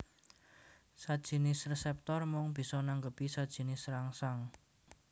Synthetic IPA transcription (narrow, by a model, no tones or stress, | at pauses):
sad̥ʒ̥i̤nɪsresɛp̚t̪ɔrmʊŋb̥i̤sɔnaŋɡəpisad̥ʒ̥i̤nɪsraŋsaŋ